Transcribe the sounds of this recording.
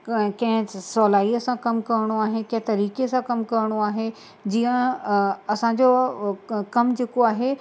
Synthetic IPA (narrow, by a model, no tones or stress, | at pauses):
kɐ̃ɦɪ̃sɔːlaːiəsãkɐmkɐɾɪɽ̃oaːɦekɐ̃ɦɪ̃t̪ɐɾiːkesãkɐmkɐɾɽ̃oaːɦe | d͡ʑiːə̃ | ɐsãɲd͡ʑo | kɐmd͡ʑeːkoaːɦe